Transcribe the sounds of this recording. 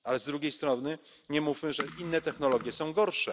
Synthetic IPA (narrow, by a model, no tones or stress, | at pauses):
alɛzd̪ɾuɡʲejst̪ɾɔnɘ | ɲɛmufʲmɘʐɛʔinːɛt̪ɛxnɔlɔɡʲjɛsɔ̃w̃ɡɔɾʂɛ